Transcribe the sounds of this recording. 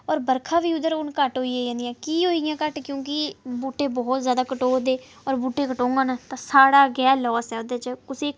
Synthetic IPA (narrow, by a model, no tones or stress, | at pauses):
ɔːɾbəɾkʰãːʋiːʊd̪əɾʊnkəʈɦoːiːeːd͡ʒãːnd̪ijãːkiːɦoːijãːkəʈkjõːk̬ɪbuːʈeːbɔːt̪zjaːd̪aːkəʈoːd̪eː | ɔːɾbuːʈeːkəʈõːŋɡãːnaːt̪ãːsaːɽaːɡɛːlɔːsɛːʊd̪eːt͡ʃəkʊsiːk